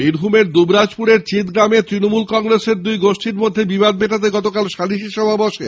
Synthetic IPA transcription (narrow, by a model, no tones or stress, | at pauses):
biɾbʱumeɾd̪ubɾad͡ʑpuɾeɾt͡ɕit̪ɡɾamet̪ɾinomulkɔŋɾeseɾd̪ujɡoʃʈʰiɾmod̪ʱːebibad̪̚beʈat̪̬eɡɔt̪okalʃaliʃiʃɔbʱabɔʃḛ